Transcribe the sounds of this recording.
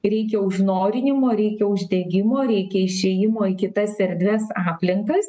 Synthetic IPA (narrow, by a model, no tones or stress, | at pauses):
ɾʲɛɪkʲɛʊʒnoːɾʲɪnʲɪmoːɾʲɛɪkʲɛʊʒʲd̪ʲɛɡʲɪmoːɾʲɛɪkʲɛɪʃʲeːjɪmoːɪkʲɪt̪ɐsʲɛɾʲd̪ʲʋʲɛsɑːpʲlʲɪŋkkɐs